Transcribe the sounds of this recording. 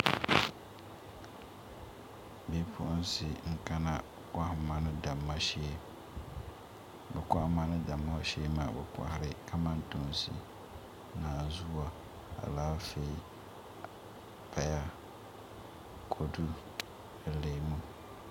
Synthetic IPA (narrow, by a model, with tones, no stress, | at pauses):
bi˦pʰʊ˦ʔʊ˦n˦sɪ˨ŋ̩˦ka˦na˦ | ka˦hma˨nɪ˦da˨ma˦e˦ | bɛ˨kʷa˦hma˦nɪ˦da˨mːa˦ʃe˦maː˨bɛ˨kʷa̰˨hɪ˨ɾɪ˦ka˦ma˦ntʊ˨m˨sɪ̰˨ | naː˨zu˦wa˨ | a̰˨laː˦fe˦i˦ | pʰa˦ja˦ | kʰo˨du˦ | dɨ˨le˨mu˦